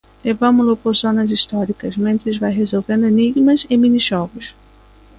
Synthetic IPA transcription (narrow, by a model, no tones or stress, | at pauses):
levɐ̃mʊlʊpoɾzõnɐzist̪ɔɾikɐzmẽnt̪ɾɪzvajɦezowvẽnd̪ʊeniɡmɐzɪmĩniʒɔɡʊs